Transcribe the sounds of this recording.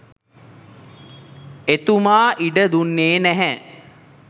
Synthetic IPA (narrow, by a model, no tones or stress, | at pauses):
et̪umaːʔiɖəd̪unːeːnæɦɛ